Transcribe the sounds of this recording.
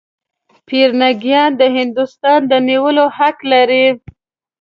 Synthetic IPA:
piɾnaɡjɑnd̪əɦɪnd̪ʊst̪ɑnd̪əniwəlohaklaɾi

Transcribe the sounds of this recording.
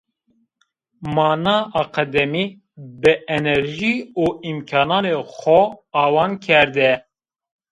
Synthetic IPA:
mɑːnɑːʔɑːqɛd̪ɛmiː | bɨɛnɛɾʒiːuːimkʰɑːnɑːnexʷɔɑːwɑːnkʰɛɾd̪ɛ

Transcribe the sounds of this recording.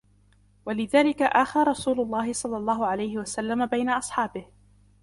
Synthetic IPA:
walɪðaːlɪkaʔaːxaɾˤɑsuːlʊlˤːɑːhɪsˤɑlːɑlˤːɑːhʊʕalajhɪwasalːamabajnaʔɑsˤħɑːbɪh

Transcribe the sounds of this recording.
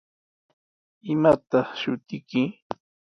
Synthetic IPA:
ɪmat̪ɑχʃʊt̪ɪkɪ

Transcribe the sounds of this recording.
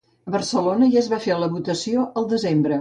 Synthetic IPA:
əβərsəlonəʒaəzβafeləβut̪əsioəlˠd̪əzembɾə

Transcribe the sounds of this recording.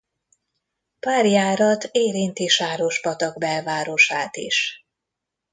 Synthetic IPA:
paːrjaːɾɒt̪eːɾint̪iʃaːɾo̞ʃpɒt̪ɒɡbɛlvaːɾo̞ʃaːt̪ḭʃ

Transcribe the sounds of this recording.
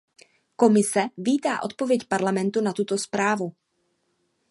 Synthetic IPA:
ko̞mɪsɛviːt̪aːʔo̞t̪̚po̞vjɛcpaɾlamɛnt̪unat̪ut̪o̞spɾaːvu

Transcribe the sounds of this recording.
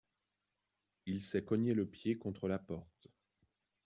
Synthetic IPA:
ilsɛkɔɲeləpjekɔ̃t̪χəlapɔʁt̪

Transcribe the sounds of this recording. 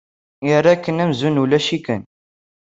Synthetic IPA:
jəɾːɑkənæmzunulæʃikən

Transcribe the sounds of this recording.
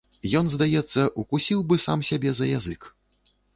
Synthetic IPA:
jɔnzd̪ajɛt̪sːɐʔukusʲiwbɨsamsʲabʲɛzɐja̰zɨk

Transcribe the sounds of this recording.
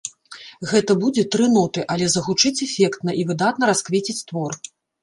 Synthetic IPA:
ɣɛt̪ɐbud͡zʲɛt̪ɾɨnɔt̪ɨʔɐlʲɛzɐɣut͡ʂɨt͡sʲɛfʲɛkt̪nɐʔivɨd̪at̪nɐɾaskvʲet͡sʲit͡sʲt̪vɔr

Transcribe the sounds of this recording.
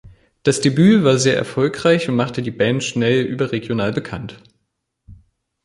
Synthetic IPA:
d̥asd̥ebyːvaːɐzeːɐʔɛ̰ɐfɔlkʁ̥aɪçʊntmaχtədiːbɛntʃnɛlʔyːbɐʁeɡjonaːlbəkʰant

